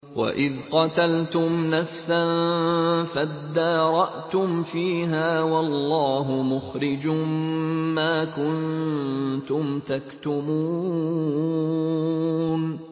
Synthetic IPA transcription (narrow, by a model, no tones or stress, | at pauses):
wa̰ʔɪðqɑt̪alt̪ʊmnafsan | fad̪ːɑːɾˤɑʔt̪ʊmfiːɦaːwɑlːɑːɦʊmʊxɾɪd͡ʒʊː | aːkʊn | t̪ʊmt̪akt̪ʊmuː | n